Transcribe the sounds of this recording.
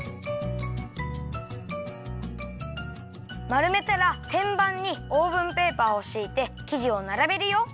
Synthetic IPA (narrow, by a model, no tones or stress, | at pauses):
maɾɯ̟me̞t̪aɾat̪ʰẽ̞mbãɲ̟ːio̞ːbɯ̟̃mpe̞ːpaːo̞ɕiːt̪e̞kʲiʑio̞naɾabe̞ɾɯ̟jo̞